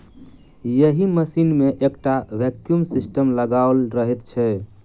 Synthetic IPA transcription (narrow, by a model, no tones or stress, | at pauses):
jəɦiməsinmeʔekʈaʋɛkjumsisʈəmləɡalɾəɦɛt̪t͡ʃʰɛ